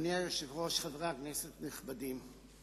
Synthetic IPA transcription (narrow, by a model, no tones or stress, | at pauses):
niajeʃivʁoʃχavʁakneset̪niχbadim